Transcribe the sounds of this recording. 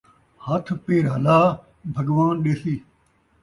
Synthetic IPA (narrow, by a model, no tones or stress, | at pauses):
hɐt̪ʰpeːɾɦɐlaː | bʱɐɡʋaːnɗesiː